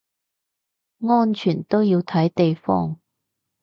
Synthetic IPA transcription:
ŋɔː˥nt͡ʃʰyː˨˩nt̪o˥wjiː˧wt̪ʰɐ˨˥jt̪e˨jfɔː˥ŋ

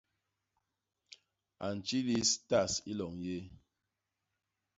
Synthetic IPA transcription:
a˨n̩˨t͡ʃi˦li˦sta˦˨si˦lɔ˨ŋje˦

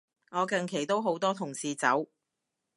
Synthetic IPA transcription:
ŋɔː˨˧kɐ˧ŋkʰe˨˩jt̪o˥wɦo˨˥wt̪ɔː˥t̪ʰʊ˨˩ŋsiː˨˧t͡sɐ˨˥w

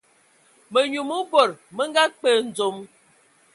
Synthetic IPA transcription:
mə˨ɲu˨mu˦bo˦˨ɾmə˦ŋ˦ɡa˦k͡pə˦˨n̩˨d͡zo˨m

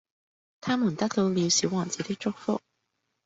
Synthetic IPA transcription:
t̪ʰa˥mu˨˩nt̪a˥t̪ʰo˧˥li˧˥ɕi˧˥wɑ˨˩t͡ɕɛ˧˥t̪i˥ʈ͡ʂo˥k̚fo̰˥

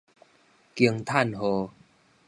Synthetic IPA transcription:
ki˧əŋt̪ʰa˥˨nɦo˨˧

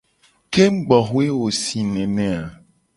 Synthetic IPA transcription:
ke˦m̩˦ɡ͡bɔ˨xu˦e˦wo˨si˨nɛ̃˨nɛ̃˨a˨

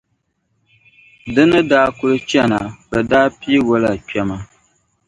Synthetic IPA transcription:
dɨ˦nɨ˦daː˦kʊ˦lɨ˦t͡ʃɛ˦na˨bɛ˨daː˦pi˦wo˦la˨t͡ʃɛ˦ma˨

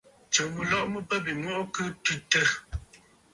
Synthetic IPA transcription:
t͡ʃə˨ɣu˨lɔ˦ʔmə˦pə˦bi˨ŋwɔ˦ʔkɨ˦tʉ˦tə˦˨

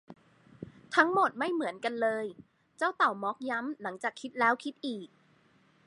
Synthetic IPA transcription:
t̪ʰa˦˥ŋmo˨˩t̪̚ma˥˩jmɯ˩˦ənka˧nlɤː˧j | t͡ɕa˥˩wt̪a˨˩wmɔ˦˥k̚ja˦˥mla˩˦ŋt͡ɕaː˨˩kʰːi˦˥t̪̚lɛː˦˥wkʰi˦˥t̪̚ʔiː˨˩k̚

